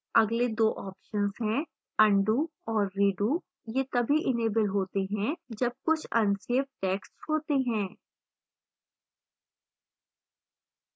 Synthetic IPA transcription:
ɐɡled̪oːʔɔːpʃənzɦɛ̃ː | ɐ̃ɳɖuːɔːɾːiːɖuː | jek̪ɐbʱiʔɪneːbɪlɦoːt̪eɦɛ̃d͡ʒɐb̚kʊt͡ʃʰɐ̃nseəp̚ʈɛːkshoːt̪eɦɛ̃ː

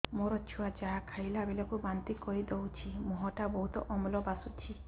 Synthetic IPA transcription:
moɾɔt͡ʃʰuwad͡ʒaɦakʰajlabelɔkubant̪ikɔɦid̪ɔwt͡ʃʰimɔɦɔʈabɔɦut̪ɔ̰ʔɔmlɔbasut͡ʃʰi

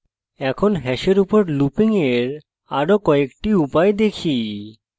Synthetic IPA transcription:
ɛkʰonɦɛʃeɾupoɾlupiŋeɾ | aɾokɔekʈiupaed̪ekʰi

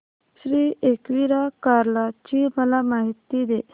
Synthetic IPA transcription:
ɕɾiːekʋiɾakaɾlat͡ɕiməlamaɦit̪ːid̪e

